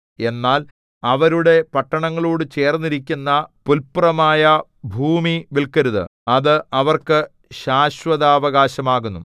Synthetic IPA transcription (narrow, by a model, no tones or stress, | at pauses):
e̞nːaːl | ɐʋɐɾuɽe̞pɐʈːɐɳɐŋːɐɭuːɽɨt͡ɕe̞ːrnːiɾikʲːunːɐpulpurɐmaːjɐ | bʱuːmiʋilkɐɾuðɨ̰ɐðɨɐʋɐrkɨ | ɕaːɕʋɐðaːʋɐɣaːɕɐmaːɣunːṵ